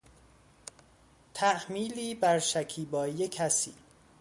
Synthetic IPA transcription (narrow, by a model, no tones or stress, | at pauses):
t̪ʰæʔmiːliːbæɾʃæcʰiːbɒːijecʰæsḭː